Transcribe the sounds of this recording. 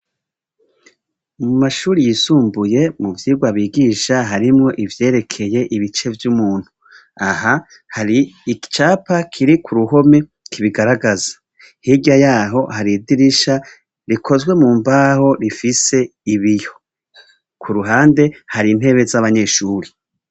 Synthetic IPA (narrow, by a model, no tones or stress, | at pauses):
mumaʃuːɾijisuːmbuje̞muvjiɡwaβiːɡiːʃaɦaɾimŋo̞ʔivje̞ːɾe̞kʰe̞je̞ʔiβit͡ʃe̞vjumuːn̥hu | aha | haɾiit͡ʃaːpakʰiɾikʰuɾuɦo̞me̞ | kʰiβiɡaɾaɡazḁ | hiɟajaːɦo̞haɾidiɾiʃa | ɾikʰo̞zɡwe̞muːmbaːho̞ɾifise̞iβijo̞ | kʰuɾuɦaːnde̞haɾin̥e̞βe̞zaβaɲe̞ʃuːɾi